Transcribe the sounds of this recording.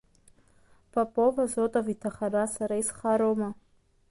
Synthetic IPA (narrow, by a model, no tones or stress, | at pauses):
pʰapʼovazotʼavitʰaχaɾasaɾaisχaɾoma